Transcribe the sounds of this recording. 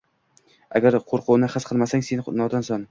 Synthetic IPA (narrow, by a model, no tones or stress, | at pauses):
a̰ɡʲaɾqʰoɾqʰʊwnɪχɨsqʰɨlˠmasaŋsennɒd̪ɒnsɒn